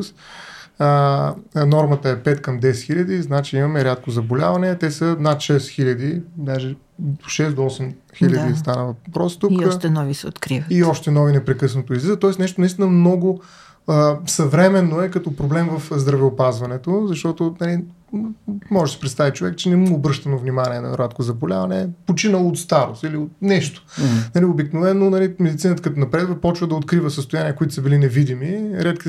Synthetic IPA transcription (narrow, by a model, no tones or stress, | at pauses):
s | ə | nɔɾmət̪əɛpɛt̪kɐmd̪ɛsxilʲɐd̪iznat͡ʃiimɐmɛɾʲjat̪̚kozɐbolʲavɐnɛt̪ɛsənat̪ʃɛsxilʲɐd̪id̪aʒɛ | d̪oʃɛsd̪oɔsɛm | xidlʲɐist̪anəvɐpɾɔst̪ukɔʃt̪ɛnɔvisɛot̪kɾivəiɔʃt̪ɛnɔvinɛpɾɛkɤsnət̪oizizt̪ɔɛsnɛʃ̬t̪onist̪inəmnɔɡʊ | əsɐvɾɛmɛnːoɛkɐt̪ɔpɾoblɛmvɐfzd̪ɾɐvɛopazvɐnɛt̪ozɐʃt̪ɔt̪onɐli | mɔʒɛsi̥pɾɛt̪st̪avit͡ʃovɛkt͡ʃɛnɛmobɾɤʃt̪ɐnovnimaniɛnɐ̰ɾat̪kozɐbolʲa̰vɐnɛpot͡ʃinəlˠoːt̪st̪aɾo̰st̪iliot̪̚nɛʃt̪o̥nɐliobiknovɛnːonɐlimɛd̪it̪sinət̪əkɐt̪onɐpɾɛd̪vəpɔt͡ʃvəd̪ɐot̪̚kɾivəsəst̪ʊjaniəkoit̪ʊ̥səbilinɛvid̪imiɾɛt̪ki